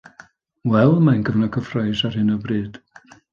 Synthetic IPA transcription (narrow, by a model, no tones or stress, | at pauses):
wɛlˠmanɡəvnakʰəfrɔjsarhɨnɔbrɨːd̥